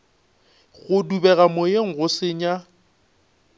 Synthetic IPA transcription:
ɣʊdubɛɣamojeŋ̩ɣʊsɪɲa

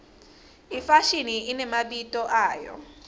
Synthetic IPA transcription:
ifaʃiniinɛmaɓitʼɔʔaːjɔ̰

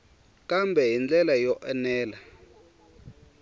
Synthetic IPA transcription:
kʼambʱɛɦind͡ɮɛlajɔʔɛnɛːla

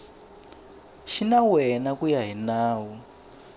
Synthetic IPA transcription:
ʃinawɛnakujaɦinaːwɔ

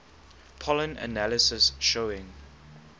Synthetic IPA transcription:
pʰɔlə̃nə̰nalɪsəsʃoɪ̃ŋ

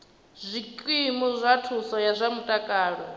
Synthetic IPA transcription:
zʷikʼwimuzʷatʰusɔjazʷamutʼakʼaːɺɔ

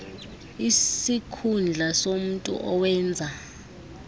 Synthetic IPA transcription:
issikʰund͡ɮʱasom̩tʼṵʔɔwɛːnd͡zʱa

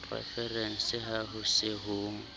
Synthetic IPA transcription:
pʰrɛ̰fɛrɛn̩sɪɦaɦʊsɪɦuːŋ̩

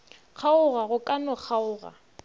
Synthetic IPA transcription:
k͡xʰaʊɣaɣʊkʼanɔk͡xʰaʊːɣa̰

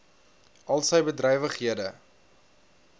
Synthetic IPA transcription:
ʔɐlˠsəjbədrɛjvəχɦiədə

